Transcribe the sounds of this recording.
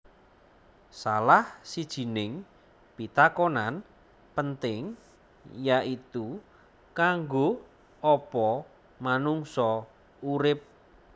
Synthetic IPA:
salahsid̥ʒ̥i̤nɪŋ | pit̪akonan | pənt̪ɪŋ | jaʔit̪u | kaŋɡo | ɔpɔ | manuŋsɔ | uɾɪp̚

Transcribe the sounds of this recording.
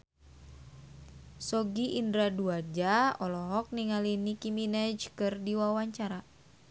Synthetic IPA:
sɔɡiʔindɾaduad͡ʒaɔlɔɦɔk̚niŋalinikiminɛd͡ʒkɨrdiwawaɲt͡ʃaɾa

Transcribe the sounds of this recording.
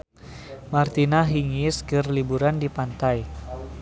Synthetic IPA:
mart̪inaɦiŋiskɨrlibuɾandipant̪aj

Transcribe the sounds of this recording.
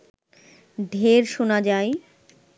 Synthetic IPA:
ɖʱeɾʃonad͡ʑae

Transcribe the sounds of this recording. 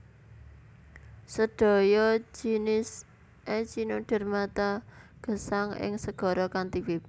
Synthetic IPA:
səɖ̥ɔ̤jɔd͡ʒinɪs | ʔɛt͡ʃinoɖ̥ə̤rmat̪aɡ̥ə̤saŋɪ̰ŋsəɡ̥ɔ̤ɾɔkant̪iwɪp̚

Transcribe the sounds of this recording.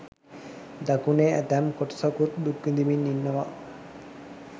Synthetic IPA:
d̪akuneæd̪æmkoʈə̥sakut̪d̪uɡind̪iminːinːɐʋa

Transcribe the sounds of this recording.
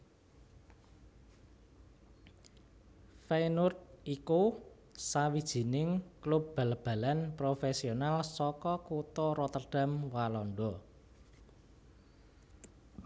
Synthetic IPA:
fenʊt̪̚iku | sawid̥ʒ̥i̤nɪŋklup̚b̥a̤lb̥a̤lanpɾofesionalsɔkɔkut̪ɔɾɔt̪ərɖ̥a̤mwalɔnɖɔ

